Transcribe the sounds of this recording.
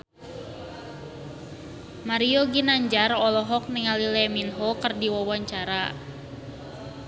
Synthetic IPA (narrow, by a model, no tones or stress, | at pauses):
maɾiɔɡinaɲd͡ʒarɔlɔɦɔk̚niŋalilɛminɦɔkərdiwawaɲt͡ʃaɾa